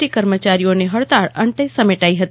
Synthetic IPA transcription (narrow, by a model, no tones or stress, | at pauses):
ʈikəɾmət͡ʃaɾijoneɦəɭt̪aɭəɳʈəjsəmeʈaiɦət̪i